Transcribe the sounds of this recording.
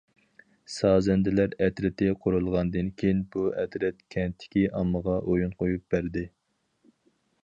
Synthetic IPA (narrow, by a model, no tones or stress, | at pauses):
sɑːzɛnd̪ɪlæɾɛt̪ɾɪt̪ʰɪqʰoɾulˠʁɑnd̪ɨnkʲʰejnbuɛt̪ɾɛt̪kʲʰɛnt̪ʰːɪ̥kʲiʔɑmːəʁɑʔojunqʰojup̚bæɾd̪ɪ